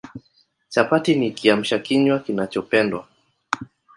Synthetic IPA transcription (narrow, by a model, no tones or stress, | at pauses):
t͡ʃapatinikiam̩ʃakiɲwakinat͡ʃɔpɛndwa